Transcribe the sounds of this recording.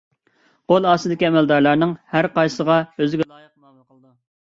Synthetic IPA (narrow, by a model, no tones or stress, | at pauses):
qolˠɑːsɨd̪ɪkʲiɛmɛld̪ɑɾlˠɑɾnɨŋhæɾqɑjsəʁɑøzɪɡʲɛlˠɑːjəq̚mɑmɑqʰəlˠd̪ɨ